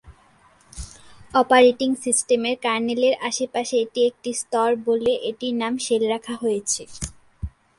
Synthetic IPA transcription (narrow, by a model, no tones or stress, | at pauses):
ɔpaɾeʈiŋsisʈemeɾkaɾneleɾaʃepaʃeeʈiek̚ʈist̪ɔɾboleʔeʈinamʃelɾakʰaɦojet͡ɕʰe